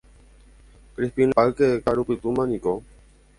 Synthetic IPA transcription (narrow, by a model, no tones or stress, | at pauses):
kɾispinaalkeekaɾupɨt̪umãnĩko